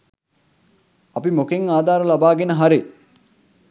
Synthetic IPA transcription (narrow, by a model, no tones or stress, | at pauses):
ɐpimokeŋaːd̪aːɾəlabaːɡenəɦaɾi